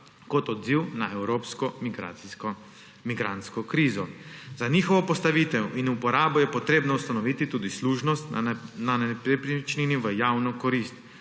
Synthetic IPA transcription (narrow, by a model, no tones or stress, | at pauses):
kɔt̪ɔd̪ziwnaʔɛwɾoːpskɔɡ | miɡɾant̪skɔkɾiːzɔzaniːxɔʋɔpɔst̪aʋiːt̪ɛwʔinupɔɾaːbɔjɛpɔt̪ɾeːbnɔust̪anɔʋiːt̪it̪uːd̪isluːʒnɔst̪nanɛpɾipɾit͡ʃniniʋəjaːwnɔkɔɾiːst̪